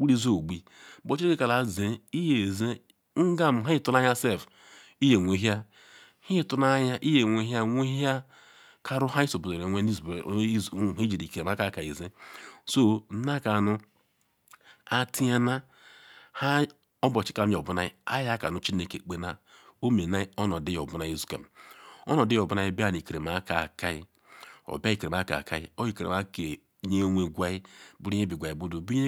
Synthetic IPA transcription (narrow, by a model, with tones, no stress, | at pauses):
wu˦ɾi˦zo˦˨ɡ͡bi˦ | bo˨t͡ʃi˦e˦ke˦ka˨la˨ze˨i˦je˨ze˦ | ŋ̩˦ɡa˦m̩˨ɦa˦i˦tu˦na˦ja˦se˦˨f | i˦je˨ŋʷe˨˦ɦja˦ | hi˦tʊ˦na˦ja˦ʔi˦je˨ŋʷe˦ɦja˦ŋʷe˦ɦja˦ | kʰa˦ɾʊ˦ɦa˦i˦so˨bu˨e˨ɾe˨ŋʷe˦ni˦z | i˦d͡ʒi˨ɾi˨ke˨˦a˦ka˦ka˨i˨ze˦so˦na˦ka˨nʊ˦ | a˦ti˦a˦na˦ | ha˦ | ɔ˦bɔ˨t͡ʃi̥˦ka˨˦m˦˨o˨bu˦na˦i˦a̰˦ja˦ka̰˨nu˨˦t͡ʃi˦ne˦ke˨k͡pe˦na˦o˦me˨na˦i˦ɔ˦nɔ˨di˦jo˨bu˦na˦i˦zu̥˦ka̰˨m˨ɔ˦nɔ˨di˦o˨bu˦na˦ji˦bi˦a˨ni˨ke˨ɾe˨ma˦ka˨ka˦i˦ | o̰˨ba˦i˦˨ke˨e˨m˨a˦ka̰˨ka̰˦i˦o˦i˦ke˨ɾe˨a˦ke˨˦ | ɲe˦ŋʷe˨ɡʷa˦i˦bu˦ɾi˦ɲe˦bi˨ɡʷa˨i˨bu˦du˨bu˦i˦